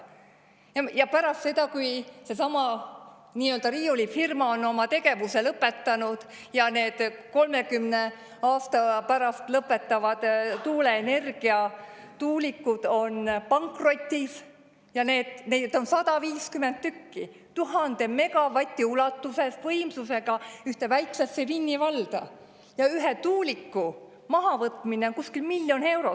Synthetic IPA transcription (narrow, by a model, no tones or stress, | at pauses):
ɑjɑpæɾɑst̪se̞d̪ɑkujse̞sɑmɑ | niːø̞ld̪ɑɾiːulifirmɑo̞nːo̞mɑt̪e̞ɡe̞vuse̞lɤpːˑe̞t̪ːɑnud̪̥ | jɑne̞ːd̪̥ko̞lme̞kymne̞ | ɑːst̪ɑpæɾɑst̪lɤpːˑe̞t̪ːˑɑvɑd̪̥t̪uːle̞ːne̞rɡ̥iɑ | t̪uːlikːˑud̪̥o̞npɑŋkro̞t̪ʲːis | jɑne̞ːd̪̥ned̪̥o̞nsɑd̪̥ɑviːskyment̪t̪ːykːi | t̪uɦɑnd̪̥e̞me̞ɡ̥ɑvɑt̪ʲːˑiulɑt̪ːuse̞svɤjmsuse̞ɡ̥ɑyht̪e̞væjksɑsːevinʲːivɑld̪̥ɑ | jɑyɦet̪uːlikːu | mɑɦɑvɤt̪ːˑmineoŋkuskilmiljo̞ne̞wɾo